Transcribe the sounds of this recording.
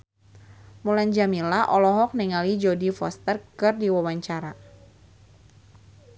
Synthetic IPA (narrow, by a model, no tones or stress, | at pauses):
muland͡ʒamilaʔɔlɔɦɔk̚niŋalid͡ʒodifɔst̪ərkɨrdiwawaɲt͡ʃaɾa